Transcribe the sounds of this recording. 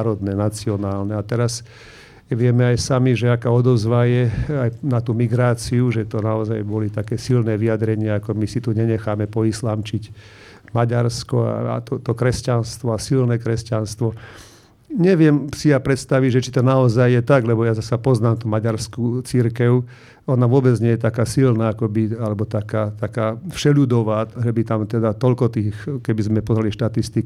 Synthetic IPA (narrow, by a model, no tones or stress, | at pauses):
ɾɔd̪nɛnat͡siɔnaːlnɛat̪ɛɾas | ʋɪɛmɛajsamiʒɛakaːɔd̪ɔzʋajɛajnat̪uːmiɡɾaːt͡siuʒɛt̪ɔnaɔzajbɔlit̪akɛːsilnɛːʋijad̪ɾɛɲɪaakɔmisit̪uɲɛɲɛxaːmɛpɔislaːmt͡ʃic | maɟaɾskɔa̰a̰t̪ɔt̪ɔkɾɛscanst̪ʋɔasilnɛːkɾɛscanst̪ʋɔ | ɲɛʋɪɛmsijapɾɛt̪st̪aʋiɟʒɛt͡ʃit̪ɔnaɔzajːɛt̪aɡlɛbɔjazasapɔznaːmt̪umaɟaɾskut͡siɾkɛʊ | ɔnaʋʊɔbɛd͡zɲɛjɛt̪akaːsilnaːakɔbialɛbɔt̪akaːt̪akaːfʃɛʎud̪ɔʋaːʒɛbit̪amt̪ɛd̪at̪ɔʎkɔt̪iːxkɛbizmɛpɔzɾaliʃt̪at̪ist̪ik